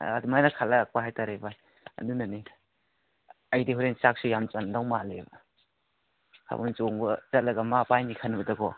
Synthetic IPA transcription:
adumajnakʰalak̚paɦajtaɾeba | ɐ̰ndunani | ajdiɦuɾent͡ʃak̚sujamt͡ʃandawmalebɐ̰ | kʰa̰bant͡ʃoŋbɐt͡ʃɐt̚lɐɡɐmapajnikʰanbɐdɐkɔ

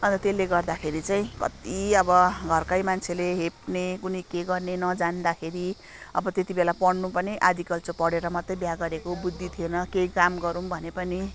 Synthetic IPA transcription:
ʌnt̪ʌt̪elːeɡʌrd̪akʰeɾit͡saĩkʌ̰t̪iʌbʌɡʱʌrkajmant͡sʰeleɦepnekunʌjkeɡʌrnenʌd͡zand̪akʰeɾi | ʌ̰bʌt̪et̪ibelapʌɽnupʌneʔad̪ikʌlt͡sopʌɽeɾʌmʌt̪rʌjbjaɡʌɾekobud̪ʱːit̪ʰijenʌkejkamɡʌɾumbʱʌnepʌni

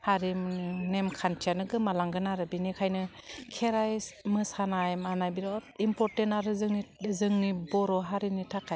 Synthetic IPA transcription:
haɾimnemkʰantʰijanɯɡɯmalaŋɡɯnaɾɯbinikʰajnɯkʰeɾajmɯsanajmanajbiɾɔimpɔɾtentaɾɯzɯŋnizɯŋnibɔɾɔɦaɾinitʰakʰːaj

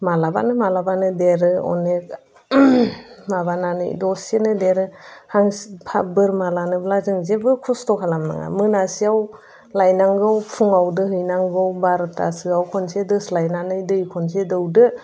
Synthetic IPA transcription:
malaba̰nɯmalabanɯdeɾɯɔ̰nek̚ | maβananɯ̰jdɔsenɯdeɾɯhaŋspʰa̰bɯɾmalanɯblazɯŋzebɯkʰɔstɔkʰalamna̰ŋa̰mɯnasiaw | lajnaŋɡɯwpʰuŋawdɯhɯjnaŋɡɯwbaɾta̰sɯawkʰɔnsedɯslajnanɯjdɯjkʰɔns̬edɯwdɯ

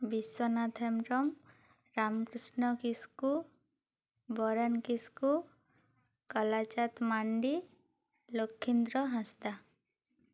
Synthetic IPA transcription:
bisɔnat̪ʰemɾɔm | ɾamkɾisnɔkisku | bɔɾankisku | kɔlat͡ʃat̪maɳɖi | lokʰːind̪ɾɔɦãst̪a

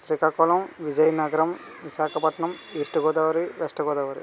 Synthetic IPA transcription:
sɾikaːkɔːlɐmʋid͡ʒɐjɐnɐɡɐɾɐm | ʋiʃaːkʰɐpɐʈɳɐmiːsʈɐɡɔːd̪aːʋɐɾiʋesʈɐɡɔːd̪aːʋɐɾḭ

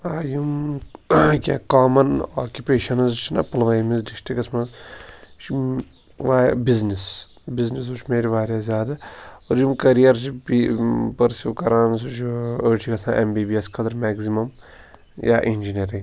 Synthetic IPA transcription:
aːjum | kʲaːkaːmɐna̰ːkʲupeːʃɐnɐzt͡ʃʰinɐ̰pɐlʋɐmizɖisʈikɐsmɐzt͡ʃʰi | ʋaːbiznis | biznis̬ut͡ʃʰmeːɾiʋaːɾjaːzʲjaːd̪ɐoɾjumkɐɾijɐɾt͡ʃʰibipɐɾsjuːkɐɾaːns̬ut͡ʃʰoɾt͡ʃʰikɐsãːʔembiːbiɐskʰɐd̪ɐɾmɛːɡzimɐm | ja̰ːʔind͡ʒinijɐɾĩŋ

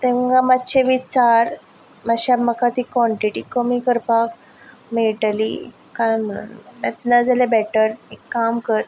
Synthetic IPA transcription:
t̪ẽʋɡamatːɕeʋit͡saɾ | maɕaməkat̪ikʋɔɳʈiʈikəmikəɾpak | meʈəlḭ | kãjm̤əɽ̃ṵnet̪nad͡zalebɛʈəɾekːamkəɾ

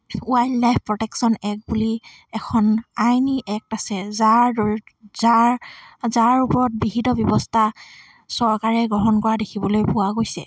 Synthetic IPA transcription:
uajlajpʰpɹɔtɛksɔnɛk̚buli | ɛkʰɔnajniʔɛk̚tasɛzaɹdɔɹzaɹzaɹupɔɹɔt̚biɦitɔbjɔbɔstʰa | sɔɹkaɹɛɡɹɔɦɔnkɔɹadekʰibɔlojpʊwaɡojsɛ̰

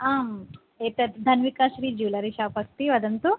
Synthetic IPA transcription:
aːm | eːt̪ɐd̪ʱɐnʋikaːʃɾiːd͡ʒuːlɐɾiʃaːpɐkt̪iʋɐd̪ɐnt̪u

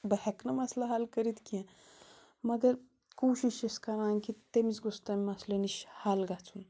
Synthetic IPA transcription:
bəɦɛknəmaslaɦalkəɾit̪kiɛ̃ | məɡəɾ | kowɕiɕeskɐɾãnkit̪emit͡sɡost̪amimasləniɕhalɡʱat͡sun

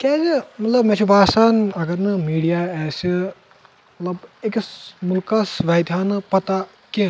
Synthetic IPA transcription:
kɛːzɨmɐt̪lɐbmɛt͡ʃʰupaːsaːnɐɡɐɾnɨmiːɽijaɛːsi | mɐt̪lɐbekismulkɐsʋaːjd̪jaːnɨpɐt̪a | ki

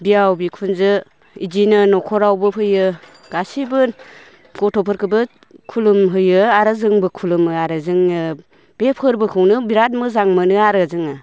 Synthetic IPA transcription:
bijawbikʰunzɯ | id͡ʒinɯnɔkʰɔɾawbɯpʰɯjɯ | ɡ̥asibɯ | ɡɔtʰɔpʰɯɾkʰɯbɯ | kʰulumɦɯjɯaɾazɯŋbɯkʰulɯmɯaɾɯzɯŋɯ | b̥epʰɯɾbɯkʰɯwnɯbiɾat̚mɯzaŋmɯnɯaɾɯzɯŋɯ

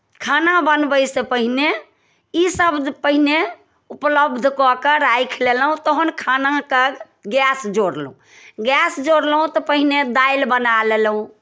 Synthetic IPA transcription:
kʰanabənbəjsepəɦine | isəbd̪ʱpəɦine | upləbd̪ʱkɔkəɾajkʰlelɦũt̪oɦənkʰanakəɡ | ɡɛsd͡ʒoɽlũ | ɡɛsd͡ʒoɽlɦũt̪ɔpəɦined̪ailbənalelɦũ

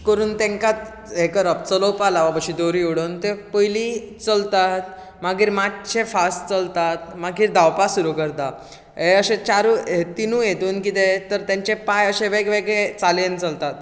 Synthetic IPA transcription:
kəɾuːnt̪ẽŋkat̪ | ekəɾəp̚t͡sələwpalaʋapəɕid̪oɾiuɽənt̪epəjliːt͡səlt̪at̪̚ | maɡiːɾmat̪t͡ɕʰefasʈt͡səlt̪at̪̚maɡiːɾd̪awpasuɾukəɾt̪a | ɦeəɕẽt͡ɕaɾuet̪inũjet̪uːnkit̪et̪əɾt̪jãɲt͡ɕepajəɕẽʋeɡʋeɡɭet͡salent͡səlt̪at̪

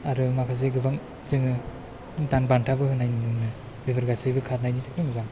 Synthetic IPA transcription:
aɾɯmakʰas̬iɡɯbaŋ | zɯŋɯ | tanbantʰabɯhɯnːajninɯŋnɯ | bibɐɾɡasibɯkʰaɾnajnitʰakɾɯŋɯzaŋ

